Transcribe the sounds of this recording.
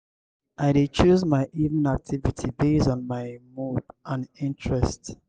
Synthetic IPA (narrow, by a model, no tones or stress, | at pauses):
ʔaɪdet͡ʃuzmaɪʔivə̃nak̚tʰivitʰibesɔ̃n̩maɪmudʔãnĩntʰɹɛst